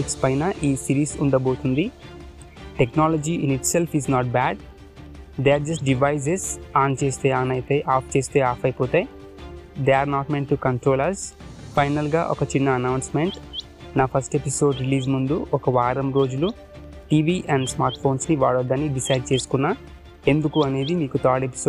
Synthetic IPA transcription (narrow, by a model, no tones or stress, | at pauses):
ikspɐjnɐʔiːsiɾiːsuɳɖɐbo̞ːt̪und̪i | ʈeknaːlod͡ʒiiniʈselpʰiznaːʈ̚baːɖ | d̪eaɾd͡ʒɐsʈɖiʋɐjs̬esaːnt͡ʃe̞ːst̪eːaːnɐjt̪eʔaːpt͡ʃe̞ːst̪eːaːfɐjpoːt̪ej | d̪eaːɾnaːʈmeɳʈukɐɳʈɾo̞ːlɐspɐjnɐlɡa̰ːʔɔ̰kɐt͡ʃinːɐɐnɐwnsme̞ɳʈ | naːpʰɐsʈepiso̞ːɖɾiliːzmund̪uʔɔkɐʋaːɾɐmɾo̞ːd͡ʒulu | ʈiːʋiːʔɛɳɖsmaːɾʈfʰo̞ːnsniʋaːɽod̪ːɐnːiɖisɐjɖ̚t͡ʃe̞ːsu̥kunːaː | e̞nd̪ukuɐneːd̪imiːkut̪aːɾʈepi̥so